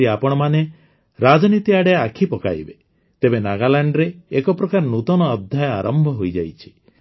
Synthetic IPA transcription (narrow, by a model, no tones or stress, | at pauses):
iapɔɽ̃ɔmane | ɾad͡ʒɔnit̪iaɽeakʰipɔka̰jbe | t̪ebenaɡalaɳɖɾeːkɔpɾɔkaɾnut̪ɔnɔːd̪ʱjaja̰ɾʔɔmbʱɔɦojd͡ʒa̰jt͡ʃʰi̥